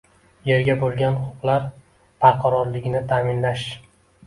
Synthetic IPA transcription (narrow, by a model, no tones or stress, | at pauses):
je̞ɾɡʲabolˠɡʲanʊʊqlˠaɾ | pʰaɾqʰɑɾɒɾlɪɡʲnɪt̪ʰaːmɪnlaʃ